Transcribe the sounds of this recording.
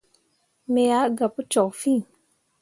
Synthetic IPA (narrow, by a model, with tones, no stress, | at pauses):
me˨ja˨˦ɡa˨pu˦t͡ʃɔ˨fĩ˦˨